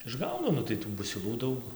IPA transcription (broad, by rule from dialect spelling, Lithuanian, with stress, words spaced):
ɪʒˈɡɐʊdoː nʊ tɐɪ ˈtuː bʊsʲɪˈlˠuː ˈdɐʊk